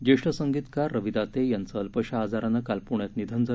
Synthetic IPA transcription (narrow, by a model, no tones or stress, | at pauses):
d͡ʑeʂʈəsəŋɡit̪karːəʋid̪at̪ejant͡səlpəɕaaːd͡zaɾanːakalpuɳjat̪nid̪ʱənd͡zʱə